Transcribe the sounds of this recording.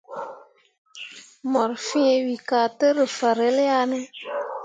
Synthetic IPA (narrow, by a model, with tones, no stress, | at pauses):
mɔ˨ɾfi˦e˧wi˨ka˨tə˦ɾə˨fa˨ɾe˦lja˦nə˦